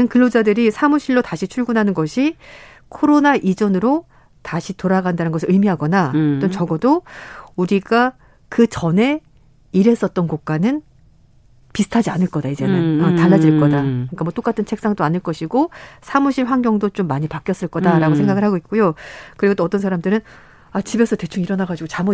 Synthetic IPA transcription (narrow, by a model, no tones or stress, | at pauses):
ɯnkɯɭːod͡ʑadɯɾisʰamuɕʰiɭːotaɕʰit͡ɕʰuɭɡunɦanɯnɡʌɕʰi | kʰoɾonaʔid͡ʑʌnɯɾo | taɕʰitoɾaɡaɦndanɯnɡʌsʰɯɭɯmiɦaɡʌnatt͈ʌnt͡ɕʌɡʌdouɾiɡa | kɯt͡ɕʌne̞ | iɾe̞s͈ʌt̚t͈ʌnkok̚k͈anɯn | pisʰɯ̥tʰad͡ʑianɯɭk͈ʌdaid͡ʑe̞nɯnʌtaɭːad͡ʑiɭk͈ʌdaɯɲik͈amwʌt͈ok͈atʰɯnt͡ɕʰe̞ks͈aŋdoanɯɭk͈ʌɕʰiɡosʰamuɕʰiɭɸwaŋɡjʌŋdot͡ɕomːaɲipak͈jʌs͈ɯɭk͈ʌdaɾaɡosʰe̞ŋɡaɡɯɭhaɡoik͈ojokɯɾiɡot͈oʌt͈ʌnsʰaɾamdɯɾɯn | at͡ɕibesʰʌte̞t͡ɕʰuŋiɾʌnaɡad͡ʑiɡot͡ɕamu